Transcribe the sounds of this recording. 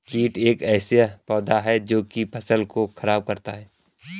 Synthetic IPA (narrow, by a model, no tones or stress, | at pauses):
t͡ʃiːʈeːkɛːspɔːd̪ʱaɦɛd͡ʒoːkipɐsəlkoxʰɐɾaːb̚kɐɾt̪aɦɛː